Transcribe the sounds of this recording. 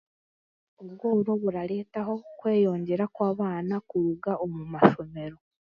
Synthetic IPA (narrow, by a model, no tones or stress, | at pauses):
oβɡoɾo̞βuɾaɾe̞ːtaho̞kwe̞ːjo̞ːɲɟe̞ɾakwaːβaːnakuɾuɡaʔomumaʃo̞me̞ɾo̞